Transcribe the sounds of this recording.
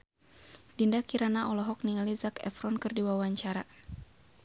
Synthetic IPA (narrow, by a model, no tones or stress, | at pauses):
dindakiɾanaʔɔlɔɦɔk̚niŋalizakɛ̰fɾɔnkɨrdiwawaɲt͡ʃaɾa